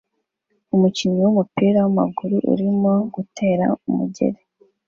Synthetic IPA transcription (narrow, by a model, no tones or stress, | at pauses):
umuciɲiwumupiːɾawama̰ɡuɾuʔṵɾimo̞ɡutʰe̞ːɾa̰umṵɟe̞̰ɾe